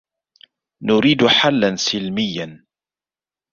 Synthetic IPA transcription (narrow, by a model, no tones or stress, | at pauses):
nʊɾiːd̪ħalːansɪlmɪjːan